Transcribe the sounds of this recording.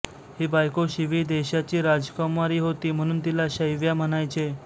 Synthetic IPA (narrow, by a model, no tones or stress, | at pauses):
ɦibajkoɕiʋiːd̪eɕat͡ɕiːɾad͡zkɔmaɾiːɦot̪iːm̤əɽ̃uːnt̪ilaɕəjʋjam̤ənajt͡ɕe